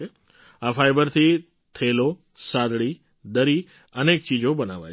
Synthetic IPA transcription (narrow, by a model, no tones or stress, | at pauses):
e | afajbəɾt̪ʰi | t̪ʰelo | sad̪ɭi | d̪əɾi | ənek̚t͡ʃid͡ʑobənaʋa̰j